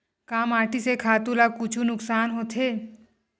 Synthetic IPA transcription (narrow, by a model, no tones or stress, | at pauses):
kaːmaːʈisekʰaːt̪ulakʊt͡ʃʰunʊksaːnɦoːt̪ʰeː